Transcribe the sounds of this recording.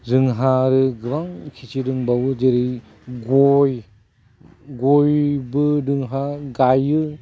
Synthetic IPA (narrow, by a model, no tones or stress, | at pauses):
zɯŋɦaɾɯɡɯβaŋkʰit͡ʃidɯŋbawɯzeɾɯj | ɡoj | ɡojbɯdɯŋɦaɡajɯ